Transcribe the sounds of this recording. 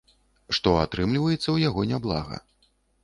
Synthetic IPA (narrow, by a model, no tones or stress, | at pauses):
ʂt̪ɔat̪ɾɨmlʲivɐjɛt̪sːɐwjaɣɔnʲablˠa̰ɣɐ̰